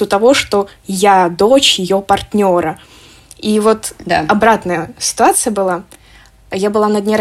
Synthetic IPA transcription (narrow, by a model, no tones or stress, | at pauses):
ʊt̪ɐvo̞ʂt̪o̞ | jad̪ot͡ɕjɪjopɐrt̪ʲnʲo̞ɾə | ivo̞t̪ɐbɾat̪nəjəsʲɪ̥t̪ʊat̪sɨjəbɨlˠa | jabɨlˠanəd̪ʲnʲeɾ